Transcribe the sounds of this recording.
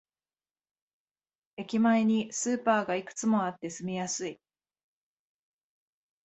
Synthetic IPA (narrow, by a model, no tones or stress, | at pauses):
e̞kʲimaeɲ̟isɨːpaːɡaikɯ̟̥t͡sɨmo̞at̪ːe̞sɨmʲijasɨi